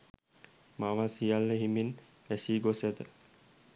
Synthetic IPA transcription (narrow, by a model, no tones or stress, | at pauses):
maʋasijalːəɦimin | æsiːɡosad̪ə